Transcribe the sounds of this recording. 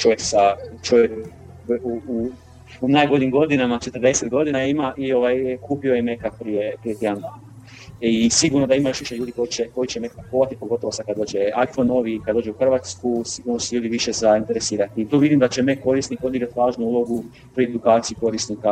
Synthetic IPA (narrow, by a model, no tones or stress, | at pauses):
t͡ʃo̞ʋjeksat͡ʃo̞ʋjek | uu | unaːjɡo̞ʎimɡo̞d̪inamat͡ʃe̞t̪rd̪e̞set̪ɡo̞d̪inaeimaʔio̞ʋajkuːpio̞jeme̞kapɾijepɾije̞t̪je̞d̪and̪aːna | isiɡuɾnod̪aimajo̞ʃʋiʃeʎuːd̪iko̞jit͡ɕeko̞jit͡ɕemekpoːʋat̪ipo̞ɡo̞t̪o̞ʋosakad̪d̪oːd͡ʒeajfono̞ʋikad̪o̞ːd͡ʒeuxr̩ʋat̪skusiɡuɾnosuʎuːd̪iʋiʃezaint̪e̞ɾesiːɾat̪iːt̪oʋid̪imd̪at͡ɕe̞meko̞ɾisnipod̪iɡɾat̪iʋaːʒnuuːlo̞ɡu | pɾied̪ukaːt̪sijuko̞ɾisnika